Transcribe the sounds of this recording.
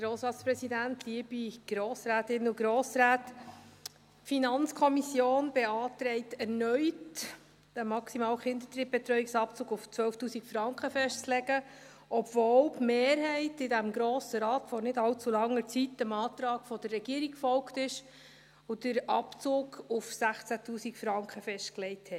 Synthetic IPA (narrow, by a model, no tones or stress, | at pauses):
ɡ̥ɾoːsɾɑːtspɾɛsidæntliəbiɡ̥ɾoːsɾæːtɪnʊɡɾoːsɾæːt | finɑnt͡skʰɔmisjoːnb̥ɛɑːtɾɛɪtɛɾnœʏt | d̥əmɑksimɑːlχɪnd̪ətɾib̚bɛt̪ɾœʏiksɑp̚t͡suːɡʊft͡sʋœlftuːsikfɾɑŋkχəfɛʃtt͡slɛɡ̥ə | ʔɔbvɔwpmeːɾɦɛɪtɪdæmɡɾoːsəɾɑːtfɔɾnɪdɑlt͡sulɑŋːəɾt͡sitːəmɑːt̪ɾɑːɡfɔd̥ərːɛɡ̥iːəɾikfɔlktɪʃ | ʊd̥əɾɑpt͡sʊːɡʊfsæχt͡sætʰuːsikfɾɑŋkχəfɛʃtklɛɪthɛ